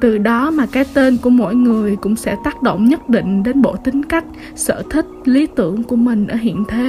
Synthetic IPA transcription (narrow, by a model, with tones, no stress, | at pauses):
t̪ɨ˨˩ɗɔ˨˦maː˨˩kaː˨˦jt̪e˧nku˧˩əmo̰˧˥˨jŋɨ˨˩əjkʊ̰˧˥ŋ͡msɛ̰˧˥t̪aː˦˥k̚ɗo̰˧˨wŋ͡mɲə˦˥t̚ɗḭ˧˨ŋ̟ɗe˨˦nɓo̰˧˨t̪ï˨˦ŋ̟ka˦˥k̟̚ | sə̰ː˧˩t̪ʰï˦˥k̟̚li˨˦t̪ɨ̰˧˩əŋku˧˩əmï˨˩ŋ̟ʔəː˧˩ɦḭ˧˨ənt̪ʰe˨˦